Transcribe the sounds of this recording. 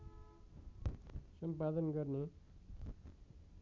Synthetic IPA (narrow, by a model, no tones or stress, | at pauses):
sʌmpad̪ʌnɡʌrne